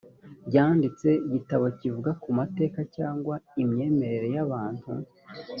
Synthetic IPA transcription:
ɟaːndit͡se̞ɟitaβo̞civuɡakumate̞ːkacaːŋɡwaimɲe̞ːme̞ɾe̞ɾe̞jaβaːn̥hṵ

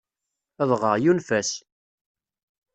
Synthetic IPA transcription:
əðˤʁəʁjunfæs

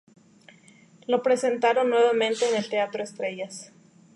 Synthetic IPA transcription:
lo̞pɾe̞se̞nt̪aɾo̞nːwe̞βamẽnt̪e̞ːnelt̪eat̪ɾo̞est̪ɾe̞ʝas

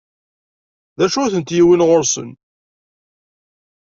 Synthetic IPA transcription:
ðæʃʊθənt̪jiwinʁoɾsə̰n

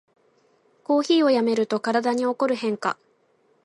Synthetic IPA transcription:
ko̞ːçiːo̞jame̞ɾɯ̟t̪o̞kaɾad̪aɲ̟io̞ko̞ɾɯ̟ɦẽ̞ŋka̰

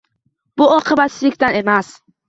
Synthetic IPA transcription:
b̥ʊɒqʰɨbat̪sɪlɪkʲt̪anemas

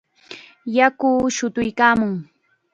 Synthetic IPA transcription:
jakʊːʃʊt̪ʊjkaːmʊŋ

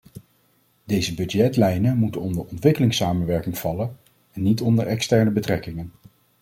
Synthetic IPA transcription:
dejzəbɵdɛtlɛjnəmutənɔndəɹɔntʋɪkəlɪŋsaːmənʋɛɹkɪŋv̥ɑlən | ɛnːitɔndəɹɛkstɛɹnəbətrɛkɪŋən

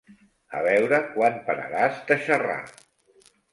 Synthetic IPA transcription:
əβɛwɾəkwanpəɾə̰ɾazt̪əʃəra̰

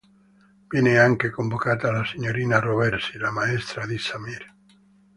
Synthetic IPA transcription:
b̥jeneaŋkekombokat̪alaseɲoɾinaroβeɾsilamaest̪ɾaðisamiɾ

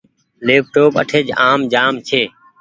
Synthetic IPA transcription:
leːp̚ʈoːpə̰ʈʰeːd͡ʒaːmd͡ʒaːmt͡ʃʰeː

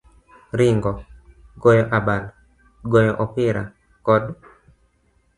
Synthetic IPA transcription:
ɾɪŋɡɔ | ɡɔjɔʔabal | ɡɔjɔʔɔpɪɾa̰ | kɔd

